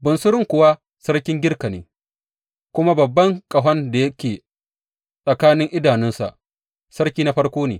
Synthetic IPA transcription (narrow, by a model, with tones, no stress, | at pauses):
bʊ˨nsʊ˦ɾɪ˦ŋkʷʊ˨wa˦ | sɐ˦ɾkʲɪ˦ŋɡʲɪ˦rka˨neː˨˦ | kʷʊ˦ma˦bɐ˨bːɐ˦ŋkʼɐ˨ɦɐ˦nda˨jɐ˦kʲeː˨ | sʼɐ˨kaː˦nɪ˦ŋʔɪ˦daː˨nɪ˦nsa̰˨ʔ | sɐ˦ɽkʲiː˦na˦ɸɐ˦ɽkʷoː˦neː˨